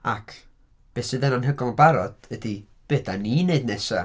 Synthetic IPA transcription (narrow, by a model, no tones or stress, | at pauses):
akʰ | b̥esɨðɛnɔnɦəɡɔlˠbaɾɔd̥ədi | b̥edanineɨdnɛsa